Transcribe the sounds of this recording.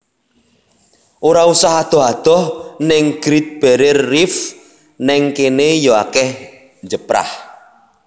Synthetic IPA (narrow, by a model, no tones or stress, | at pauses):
ʔoɾausaɦad̪̥ɔ̤ɦad̪̥ɔ̤hnɪŋɡ̥ɾit̪̚b̥ɛɾɪrːif | nɛŋkenejɔakɛh | ɲd͡ʒəpɾa̰h